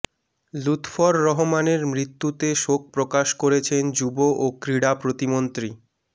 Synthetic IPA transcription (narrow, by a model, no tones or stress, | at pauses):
lut̪fɔɾːɔɦomaneɾmɾit̪ːut̪eʃok̚pɾokaʃkoɾet͡ɕʰend͡ʑuboʔokɾiɽapɾot̪imont̪ɾi